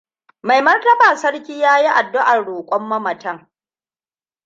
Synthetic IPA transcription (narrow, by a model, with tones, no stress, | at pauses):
ma˨jmɐ˦rtɐ˦baː˨sɐ˦ɽkʲiː˦jaː˦ji˦ʔa˨dːʊ˦ʔa˨rɽoː˨kʷʼɔ˦mːɐ˦mɐ˨tɐ˦˨ŋ